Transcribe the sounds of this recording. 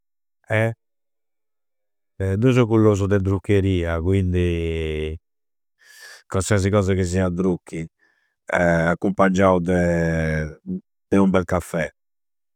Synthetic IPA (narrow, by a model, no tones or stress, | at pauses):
ɛ | ɛd̪uzɔkulːoːzud̪ɛd̪ɾukːeɾiːakwind̪i | kwasiaz̬ikɔːzakis̬z̬iad̪ɾukːi | ɛakːumpad͡ʒawd̪ɛ | d̪̥ɛumbɛlkafːɛ